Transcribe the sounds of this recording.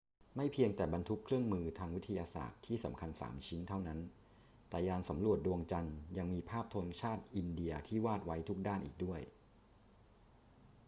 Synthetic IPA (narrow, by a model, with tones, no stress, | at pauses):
ma˥˩jpʰi˧əŋt̪ɛː˨˩ba˧nt̪ʰu˦˥kʰɾɯ˥˩əŋmɯː˧t̪ʰaː˧ŋwi˦˥t̪ʰːa˧jaː˧sa̰ː˨˩t̪ʰːiː˥˩sa˩˦mkʰa˧nsa̰ː˩˦mt͡ɕʰi˦˥nt̪ʰa˥˩wna˦˥n | t̪ɛː˨˩jaː˧nsa˩˦mɾu˨˩ət̪̚du˧əŋt͡ɕa˧nja˧ŋmiː˧pʰaː˥˩p̚t̪ʰo˧nt͡ɕʰaː˥˩t̪̚ʔi˧ndi˧ɐt̪ʰiː˥˩waː˥˩t̪̚wa˦˥jt̪ʰu˦˥k̚daː˥˩nʔḭː˨˩k̚du˥˩əj